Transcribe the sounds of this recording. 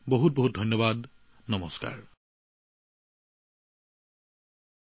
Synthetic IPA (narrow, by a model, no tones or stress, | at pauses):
boɦut̚boɦut̚dʱɔjnːɔbad | nɔmɔska̰ɹ